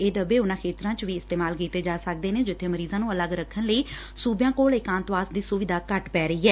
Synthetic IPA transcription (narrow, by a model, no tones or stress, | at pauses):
eːd̪əbeːʊnãːkʰeːt̪ɾãːt͡ʃʋiːɪst̪eːmaːlkiːt̪eːd͡ʒaːsək̚d̪eːneːd͡ʒɪt̪ʰːeːməɾiːzãːnũːələɡɾəkʰːənləiː | suːbjãːkoːlɪkãːnt̪ʋaːsd̪iːsʊʋɪd̪aːkəʈpɛːɾəiːɦɛː